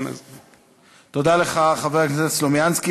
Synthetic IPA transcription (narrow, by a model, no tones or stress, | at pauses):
na̰z | t̪od̪aleχaχaveʁaknesetslomjanski